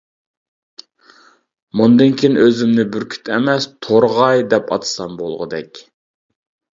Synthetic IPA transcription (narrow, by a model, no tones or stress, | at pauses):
mund̪ɨnkʲʰinʔøzɪmnɪbyɾkʲʰy̥t̪ʰɛmɛst̪ʰoɾʁɑjd̪ɛpɑ̰t̪ʰɨ̥sɑmbolˠʁə̰d̪ɛkʲ